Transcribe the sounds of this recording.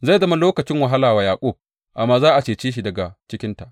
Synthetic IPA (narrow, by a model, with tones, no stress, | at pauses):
za˦˨jzɐ˦ma˦loː˦kɐ˨t͡ʃɪ˦ŋwa˨ɦa˦laː˨waː˨jaː˨kʷʼoː˦˨b̚ | ʔa˨mːaː˦zaː˦ʔa˨t͡ʃeː˨t͡ʃiː˦ʃ̬i˨dɐ˨ɡa˨t͡ʃɪ˦kʲɪ˦nta˨ʔ